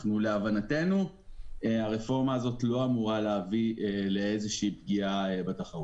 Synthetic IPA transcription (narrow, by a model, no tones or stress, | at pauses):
χnule̞avanate̞nu | aʁefo̞ʁmaːzo̞tlo̞amuʁaleaviele̞ezeʃiːpɡiaebataχaʁut